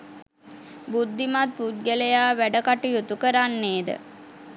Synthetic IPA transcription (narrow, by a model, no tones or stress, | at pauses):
bud̪ːimat̪̚put̪̚ɡələjaːʋæɖəkaʈujut̪ukəɾanːeːd̪ə̰